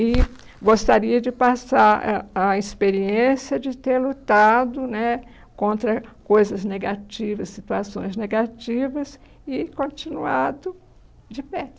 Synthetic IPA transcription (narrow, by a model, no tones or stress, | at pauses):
ɪ | ɡost̪aɾiɐd͡ʒɪpasaɾɐispeɾiẽsjɐd͡ʒɪt̪eɾlut̪ad̪ʊnɛ | kõnt̪ɾɐkojzɐzneɡat͡ʃivɐsːit̪uasõ̰j̃zneɡat͡ʃivɐs | ɪkõt͡ʃĩnuad̪ʊ | d͡ʒɪpɛ